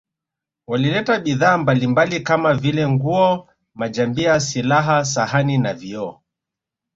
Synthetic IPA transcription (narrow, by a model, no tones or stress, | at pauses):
walilɛtaɓiðaːmbalimbalikamavilɛŋɡuɔ | mad͡ʒambiasilaɦas̬ahaninaviɔ